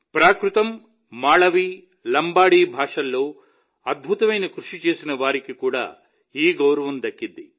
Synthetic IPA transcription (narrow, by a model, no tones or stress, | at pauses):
pɾaːkɾut̪ɐmː | aːɭɐʋi | lɐmbaːɽiːbʱaːʂɐlːo̞ː | ɐd̪̚bʱut̪ɐmɐjnɐkɾuʂit͡ʃe̞ːsinɐʋaːɾikikuːɽa̰ː | iːɡɐwɾɐʋɐmd̪ɐkːid̪ːi